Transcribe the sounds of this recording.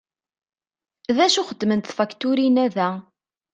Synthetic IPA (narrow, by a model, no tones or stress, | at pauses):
ðæʃuχəd̪ːmənt̪θfækt̪uɾinæðæ